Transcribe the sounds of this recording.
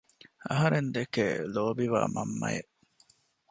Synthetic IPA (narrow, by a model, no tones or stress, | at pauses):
ɐɦɐɾend̪ekḛloːbiʋa̰ːmɐmːɐjḛʔ